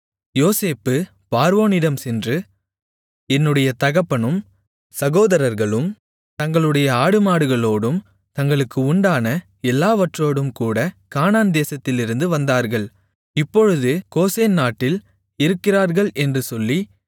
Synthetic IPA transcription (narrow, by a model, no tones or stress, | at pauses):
joːseːpːɯ | paːɾʋoːnɪɽɐmsɛndrɯ | ɛnːɯɽɐjɐt̪ɐɣɐpːɐɳɯm | sɐɣoːðɐɾɐɾɣɐɭɯm | t̪ɐŋɡɐɭɯɽɐjɐaːɽɯmaːɽɯɣɐɭoːɽɯm | t̪ɐŋɡɐɭɯkːɯʊɳɖaːnɐ | ɛlːaːʋɐʈroːɽɯmkuːɽɐkaːnaːnd̪eːsɐt̪ːɪlɪɾɯnd̪ɯʋɐnd̪aːɾɣɐɭ | ɪpːɔɻɯðɯkoːseːnnaːʈːɪl | ɪɾɯkːɪraːɾɣɐɭʔɛndrɯsɔlːi